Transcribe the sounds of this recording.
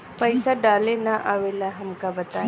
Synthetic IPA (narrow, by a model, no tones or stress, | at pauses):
pəjsaɖalenaʔaʋelaɦɐmkabət̪a